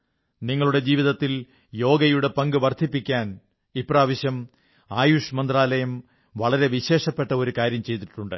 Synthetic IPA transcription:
niŋːɐɭuɽe̞d͡ʑiːʋiðɐt̪ːil | jo̞ːɡɐjuɽe̞pɐŋɡɨʋɐrd̪ʰʱipːikʲːaːn | ipːraːʋɐɕjɐm | aːjuʂɐmɐnd̪raːlɐjɐm | ʋɐɭɐɾe̞ʋiɕe̞ːʂɐpːe̞ʈːɐo̞ɾukaːɾjɐmt͡ɕe̞jt̪ːiʈːuɳɖɨ̰

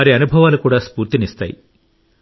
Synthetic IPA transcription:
ɐɾiɐnubʱɐʋaːlukuːɽaːspuːɾt̪inist̪a̰ːjḭ

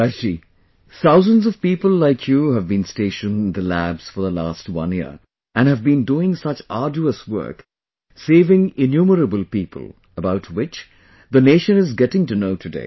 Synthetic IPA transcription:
aɪi | θaʊzə̃ndzʌv̥piːpəlˠlaɪkʰjuɦævbĩnsteɪʃə̃nðəlæbz̥fə˞ðəlaːstwʌ̰̃niə̰ | ʔɨ̃nhɨvbĩnduɪ̃ŋsʌt͡ʃɑ̰ːd͡ʒuəswɜ̰˞k | seɪvɪ̃ŋɪnjuːməɾəbəlˠpiːpʰə̰lˠ | əbaʊtʰwɪt͡ʃ | ðəneɪʃɨ̃nɪzɡɛɾɪ̃ŋtɨnoʊtʰɨdḛɪ

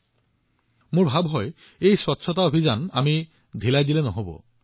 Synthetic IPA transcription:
mʊɹbʱabɦɔj | ejswɔtːsʰɔtaobʱizanami | dʱilajdilɛnɔɦobɔ̰

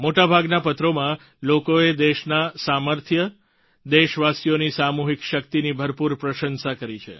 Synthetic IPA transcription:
moʈabʱaɡnapət̪ɾomã | lokoed̪eʃnasaməɾt̪ʰjə | d̪eʃʋasjonisamuɦikʃəkt̪inibʱəɾpuɾpɾəʃənsakəɾit͡ʃʰḛ

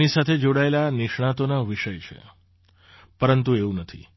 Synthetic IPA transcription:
nisat̪ʰed͡ʒoɽaelanɪʃɳ̃at̪onaʋiʃəjt͡ʃʰḛ | pəɾənt̪ueũnət̪ʰḭ

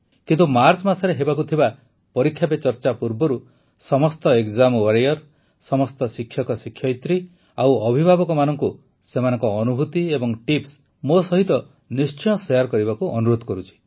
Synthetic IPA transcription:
kint̪umaɾt͡ʃmasɔɾeɦebakut̪ʰiba | pɔɾikʰjapet͡ʃɔɾt͡ʃapuɾbɔɾu | sɔmɔst̪ɔekd͡ʒamwaɾejɔɾ | sɔmɔst̪ɔsikʰːjɔkɔsikʰjɔjt̪ɾi | awɔbʱibʱabɔkɔmanɔŋku | semanɔŋkɔːnubʱut̪iebɔŋʈips | mosɔɦit̪ɔ | nist͡ʃɔjɔsɔjaɾkɔɾibakuʔɔnuɾod̪ʱɔkɔɾut͡ʃʰi̥

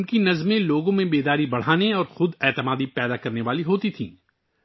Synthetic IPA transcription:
nkinɐzmẽloːɡõmẽbeːd̪aːɾibɐɽ̤aːneɔːɾxʊd̪ɛːt̪əmaːd̪ipɛːd̪akɐɾneʋaːliɦoːt̪it̪ʰḭ̃ː

